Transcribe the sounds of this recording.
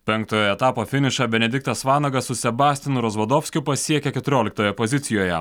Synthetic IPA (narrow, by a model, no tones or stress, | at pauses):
pʲɛŋk̚t̪oːjoɛt̪ɑːpoːfʲɪnʲɪʃɑbʲɛnʲɛd̪ʲɪk̚t̪ɐsʋɑːnɐɡɐssʊsʲɛbɑːsʲt̪ʲɪnʊɾɐzʋɐd̪oːfʲsʲkʲʊpɐsʲiɛkʲɛkʲɛt̪ʊɾʲoːlʲɪk̚t̪oːjɛpozʲɪt̪sʲɪjoːjɛ̰